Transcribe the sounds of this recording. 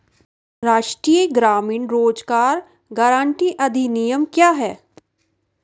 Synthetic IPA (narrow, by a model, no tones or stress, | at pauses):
ɾaːʃʈɾiːəɡɾaːmɪːnɾoːd͡ʒkaːɾ | ɡaːɾãːɳʈiʔɐd̪ʱinijəmkjaːɦɛː